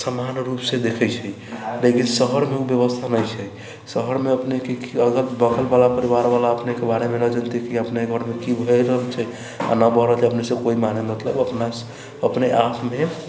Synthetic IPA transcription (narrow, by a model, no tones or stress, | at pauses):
səmanɾupsed̪ekʰəjt͡ʃʰəi | lekinsəɦəɾmeubjəβəst̪ʰanəjt͡ʃʰɛj | səɦəɾmeəpnekekiəɡəɾbəkʰəlbalapəɾiβaɾbalaəpnekebaɾemenəd͡ʒənt̪ikiəpneeɡʱəɾmekibʱəɾəɦəlt͡ʃʰɛj | a̰nəbəɦɾəɦlt͡ʃʰəpnesəkoimanemət̪ləbəpnas | əpneʔapʰme